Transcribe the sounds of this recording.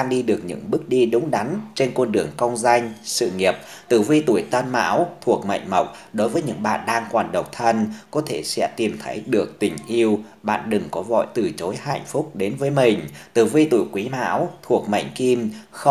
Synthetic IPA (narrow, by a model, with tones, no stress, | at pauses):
aː˧ŋɗi˧ɗɨ˨˩ək̚ɲɨ̰˧˥ŋɓɨ˦˥ək̚ɗi˧ɗʊ˨˦ŋ͡mɗa˨˦nt͡ɕe˧nkɔ˧nɗɨ˨˩əŋkə˧wŋ͡mza˧jŋ̟sɨ̰˧˨ŋi˨˩əp̚ | t̪ɨ˧˩vi˧t̪u˧˩əjt̪ə˧nma̰ː˧˥wt̪ʰu˨˩ək̚ma̰˧˨jŋ̟mə˨˩wk͡p̚ | ɗo˨˦jvəː˨˦jɲɨ̰˧˥ŋɓa̰ː˧˨nɗaː˧ŋkwaː˨˩nɗə˨˩wk͡p̚t̪ʰə˧nkɔ˨˦t̪ʰe˧˩sɛ̰˧˥t̪i˨˩mt̪ʰə˨˦jɗɨ˨˩ək̚t̪ï˧˩ŋ̟ʔi˧əw | ɓa̰ː˧˨nɗɨ˨˩ŋkɔ˨˦vɔ̰˧˨jt̪ɨ˧˩t͡ɕo˨˦jha̰˧˨jŋ̟fʊ˦˥k͡p̚ɗe˨˦nvəː˨˦jmï˨˩ŋ̟t̪ɨ˧˩vi˧t̪u˧˩jkwi˨˦ma̰ː˧˥wt̪ʰu˨˩ək̚mə̰˧˨jŋ̟ki˧mxə˧